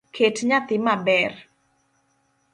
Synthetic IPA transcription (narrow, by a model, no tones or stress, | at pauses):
kʰetɲat̪ɪmabɛr